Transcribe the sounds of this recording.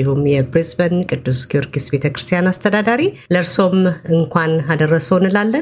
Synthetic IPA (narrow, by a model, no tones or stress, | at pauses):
ihumjɛbɾizbənkʼɨd̪ːusɡiuɾɡisbe̞t̪ʰəkɾɨst̪ʰijanast̪ʰəd̪ad̪aɾiləɾso̞mɨŋkʷʰanad̪ərːəsonɨlalːə